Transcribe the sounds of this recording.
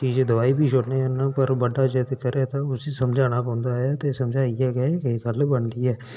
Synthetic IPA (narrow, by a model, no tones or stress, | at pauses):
t͡ʃiːd͡ʒed̪əʋaːiːbʱiːʃʰʊɽneːɦãːpəɾbəɖːaːd͡ʒeːt̪eːkəɾeːt̪ãːʊsiːsəmd͡ʒaːɽ̃aːpɔ̃ːnd̪aːɦɛːt̪eːsəmd͡ʒaːiɛːɡɛekːɡəlbəɳd̪iːɛː